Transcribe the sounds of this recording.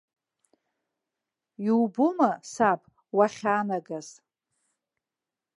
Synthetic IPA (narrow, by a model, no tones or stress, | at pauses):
iwbumasapʼ | waχʲaːnaɡaz̥